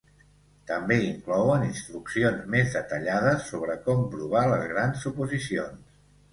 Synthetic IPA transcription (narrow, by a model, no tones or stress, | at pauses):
t̪əmbeiŋklɔwəninst̪ɾuksionzmezðət̪əʎaðəsːoβɾəkɔmpɾuβ̞aləzɣɾansupuzisions